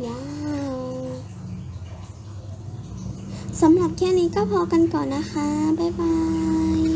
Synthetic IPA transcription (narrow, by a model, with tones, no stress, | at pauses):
jaː˧w | sa˩˦mɾa˨˩p̚kʰɛː˥˩niː˦˥kɔː˥˩pʰɔː˧ka˧nkɔː˨˩nːa˦˥xʰa˦˥ba˧˩jba˧j